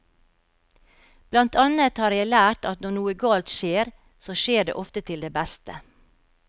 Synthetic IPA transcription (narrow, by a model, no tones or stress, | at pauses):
b̥lɑnt̪ʰɑnət̪hɑːɾjæɪlæːʈɑt̪nɔɳuːəɡɑːlt̪ʃeːɾ | soːʃeːɖḛʔɔft̪ət̪ʰɪld̪eːbæst̪ə